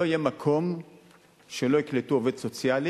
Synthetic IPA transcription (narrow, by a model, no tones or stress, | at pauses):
oijemakʰo̞m | ʃe̞lo̞ikletuoved̪so̞t͡sjali